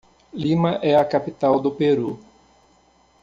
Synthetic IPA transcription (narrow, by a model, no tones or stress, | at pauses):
lĩmɐʔɛɐkapit̪awd̪ʊpeɾu